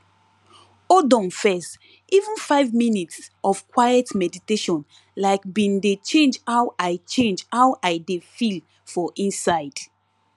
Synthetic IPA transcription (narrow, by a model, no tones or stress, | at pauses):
odɔ̃mfɛst | ʔivũnfaɪvminitsʔɔv̥kwajɛtmɛditeʃɔ̃n | laɪk̚bĩndet͡ʃẽnd͡ʒhawʔaɪt͡ʃẽnd͡ʒhawʔaɪdefil | fɔʔĩnsaɪd̥